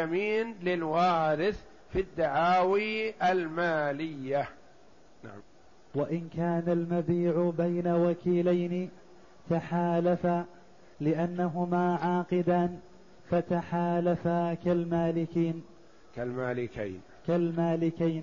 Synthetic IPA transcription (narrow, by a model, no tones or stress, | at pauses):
amiːnlɪlwaːɾɪθ | fid̪ːaʕaːwiːʔalmaːlɪjːa | na̰ʕam | waʔɪnkaːnalmabiːʕʊbajnawakiːlajnɪ | t̪aħaːlafa | lɪʔanːaɦʊmaːʕaːqɪd̪aːn | fat̪aħaːlafakalmaːlɪkiːn | kalmaːlɪka̰jn | kalmaːlɪkajn